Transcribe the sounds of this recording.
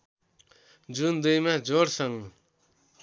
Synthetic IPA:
d͡zund̪ujmad͡zoɾsʌŋ

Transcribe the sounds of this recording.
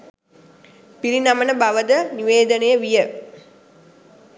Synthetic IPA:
piɾinamənəbaʋəd̪əniʋeːd̪ənejəʋijə

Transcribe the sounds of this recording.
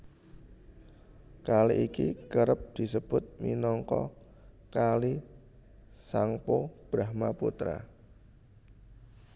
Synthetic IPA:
kaliʔikikəɾəp̚d̪̥i̤səb̥ʊt̪̚mḭnɔŋkɔ̰ | kali | saŋpob̥ɾahmaput̪ɾa̰

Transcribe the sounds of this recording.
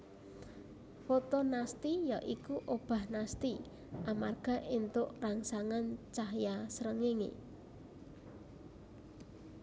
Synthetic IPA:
fot̪ɔnast̪ija̰ʔikuʔob̥a̤hnast̪i | ʔamarɡ̥a̤ʔint̪ʊʔraŋsaŋant͡ʃaɦjasəɾəŋeŋḛ

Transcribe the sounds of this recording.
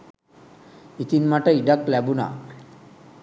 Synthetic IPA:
it̪inmaʈəiɖak̚lɛbuna̰

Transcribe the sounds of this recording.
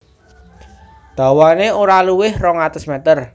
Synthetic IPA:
d̪̥ä̤waneoɾaluwɪhrɔŋat̪əsmɛt̪ər

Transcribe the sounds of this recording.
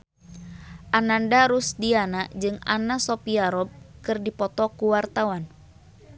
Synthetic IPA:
ʔanandaɾusdianad͡ʒɨŋa̰nasɔpiaɾɔb̚kɨrdipɔt̪ɔkuwart̪awan

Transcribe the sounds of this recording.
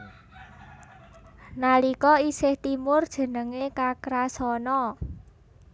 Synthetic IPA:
nalikɔisɪht̪imʊrd̥ʒ̥ə̤nəŋekakɾasɔnɔ

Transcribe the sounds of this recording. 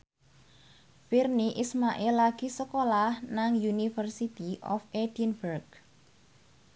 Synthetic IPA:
firniʔismaʔɛlːaɡ̥isəkolahnaŋjunifərsit̪iʔɔfed̥inbərɡ

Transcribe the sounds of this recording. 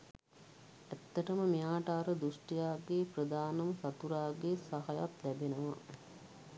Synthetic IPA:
æt̪ːəʈəməmijaːʈəaɾəd̪usʈijaːɡeprəd̪aːnɐməsat̪uɾaːɡesaɦaja̰t̪læbenəʋa

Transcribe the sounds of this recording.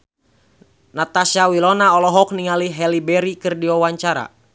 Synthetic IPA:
nat̪asawilɔnaɔlɔɦɔk̚niŋaliɦɛlibɛɾikɨrdiɔwaɲt͡ʃaɾa̰

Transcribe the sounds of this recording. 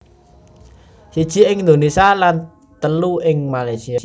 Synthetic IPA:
sid̥ʒ̥i̤ɪŋnd̪onisalan | t̪əluʔɪŋmalajsia

